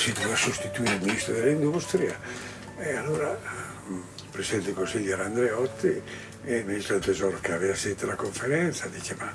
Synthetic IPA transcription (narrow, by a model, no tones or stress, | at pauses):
sid̪ovasust̪it̪uiɾeilminist̪ɾod̪elaind̪ust̪ɾia | ealːoːɾa | pɾesiɛnt̪ekonsiʎːaɾand̪ɾeɔt̪ʰːi | emeit̪ɾalt̪ezɔɾokeavevaset̪ːelakoɱfeɾɛnt̪sad̪it͡ʃema